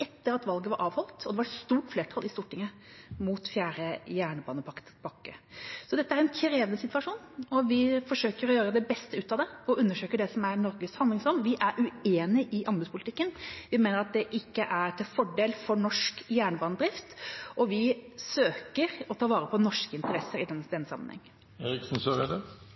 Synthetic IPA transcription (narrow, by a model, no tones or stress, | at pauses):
ɛt̪ːəɾɑt̪ʋɑlɡəʋɑɾʔɑːʋhɔlt̪ɔd̪ɛʋɑst̪uːʈfleːʈʰɑlʔɪst̪uːʈɪŋːə | mut̪fjæːɾəjæːɳəbɑ̰ːnəpʰɑk̪pʰɑkːə̰sɔd̪ɛt̪ːəæɾɛnkʰɾeːʋənəsɪt̪ʋɑʂuːnɔʋɪfɔʂøːkəɾɔjøːɾəd̪ɛbɛst̪əʉːt̪ɑʋd̪ɛɔʉnːəʂøːkəɖɛsɔmæɾnɔɾɡəshɑnd̪lɪŋsɔnːʋɪʔæɾʉeːnɪʔɪʔɑmbʉspʊlɪt̪ɪkːənʋɪmeːnəɾɑt̪̚d̪ɛʔɪkːəʔæɾʈ̪ʰɪlfɔɖeːlfɔɳɔʂkjæːɳəbɑːnəd̪ɾɪft̪ɔʋɪsøːkəɾɔt̪ʰɑːʋɑːɾəpʰɔnɔʂkəɪnt̪əɾɛsəɾɪd̪ɛd̪ɛnsɑ̰mənhɛ̰ŋːə | eɾɪksn̩søɾɛd̪ə